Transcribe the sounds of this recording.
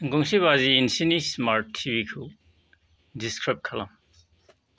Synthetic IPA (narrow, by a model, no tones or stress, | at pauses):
ɡuŋsiβaziːnsinismaɾʰibikʰu | diskɾip̚kʰɐlam